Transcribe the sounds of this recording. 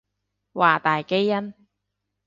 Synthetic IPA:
waː˨˩t̪aː˨jke˥jːɐ˥n

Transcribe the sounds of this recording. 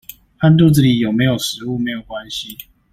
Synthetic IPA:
fa˥nt̪u˥˧t͡sɹ̩˥˨˩t͡ɕi˨˩jo˨˩ʊme˧˥ɪjo˨˩ʊʂɻ̩˧˦u˥˨me˧˥ɪjo˨˩ʊkwa˦nɕi˨˦

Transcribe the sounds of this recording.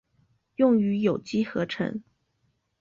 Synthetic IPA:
jʊ˥˩ŋy˧˥jo˨˩ʊt͡ɕi˥xɤ˧˥ʈ͡ʂʰə̰˧˥ŋ

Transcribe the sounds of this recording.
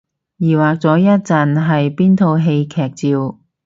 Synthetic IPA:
jiː˨˩waː˨k̚t͡sɔː˨˥jɐ˥t̚t͡sɐ˨nɦɐ˨jpiː˥nt̪ʰo˧wɦe˧jkʰɛː˨˩k̚t͡siː˨˧w

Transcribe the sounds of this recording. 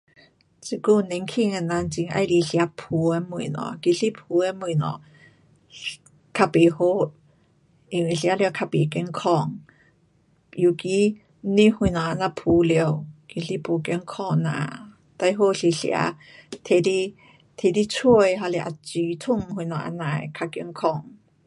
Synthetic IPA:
t͡si˧˨ku˧˨nɛ˧˦ŋkʰi˧ŋa˧nã˧nt͡ɕi˧ŋʔa̰˧jli˧ɬja˧˦pʰu˨˧mu˧˨nɔ̰̃˧˨ki˧ɬi˦pʰu˧˦e˧˦mu˧˨nɔ̰̃˧˨ | kʰa˧pe˨ho˧˦ | i˧˨wi˧˨ɬja˧˦lkʰa˧pe˨kɛ˧˦ŋkʰɔ˧˨ŋ | ju˧ki˧ | nĩ˧˦hu˧jnɔ˨ʔa˧nã˧˨pʰu˨˦le˧ə˧wki˧ɬi˧˦pʰu˧ke˧˦ŋkʰɔ˧˨nã̰˧˨ | t̪a˧jɦo˧˨ɬi˧ɬḭ˧a̰˧˦ | t̪ʰe˧di˧ | t̪ʰe˧˨di˧˦t͡sʰu˧ə˨jɦa˧le˧ʔa̰˧˨t͡siː˨˦t̪ʰu˧˨ŋhu˧nɔ˨ʔa̰˧nã˨jkʰa˧ki˧˦ŋkʰɔ˧˨ŋ

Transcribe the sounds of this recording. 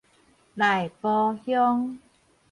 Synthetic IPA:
la˨˩jpɔː˧hjɔ˦˥ŋ

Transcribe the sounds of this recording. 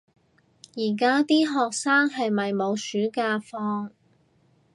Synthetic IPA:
jiː˨˩kaː˥t̪iː˥ɦɔː˨k̚saː˥ŋɦɐ˨jmɐ˨jmo˨˧wsyː˨˥kaː˧fɔː˥ŋ

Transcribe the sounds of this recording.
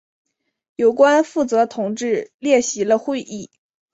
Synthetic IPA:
jo˨˩ʊkwa˥nfu˥˩t͡sɤ˧˥t̪ʰʊ˨˩ŋʈ͡ʂɻ̩˥˧ljɛ˥˩ɕi˧˥lə˧xwe˥˧ɪʔi˥˩

